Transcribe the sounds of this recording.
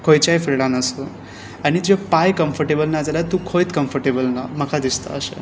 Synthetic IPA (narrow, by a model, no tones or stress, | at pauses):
kʰojt͡ɕajfilɽãnəsə | aɽ̃id͡ʑepajkəmfəɾʈebəlnad͡zəlat̪ũkʰojt̪kəmfəɾʈebəlnaməkʰad̪ist̪a̰ːʃḛ